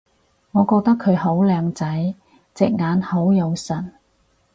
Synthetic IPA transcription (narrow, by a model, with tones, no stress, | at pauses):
ŋɔː˨˧kɔː˧k̚t̪ɐ˥kʰɵ˨˧ɥɦo˨˥wlœː˨˧ŋt͡sɐ˨˥j | t͡sɪ˨k̚ŋaː˨˧nho˨˥wjɐ˨˧wsɐ˨˩n